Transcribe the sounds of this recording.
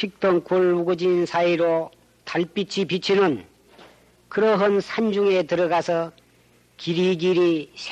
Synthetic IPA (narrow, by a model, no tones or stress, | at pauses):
ɕʰik̚t͈ʌŋkoɭuɡod͡ʑinsʰaiɾo | taɭp͈it͡ɕʰipit͡ɕʰinɯn | kɯɾʌɦɯnsʰand͡ʑuŋetɯɾʌɡasʰʌ | kiɾiɡiɾisʰ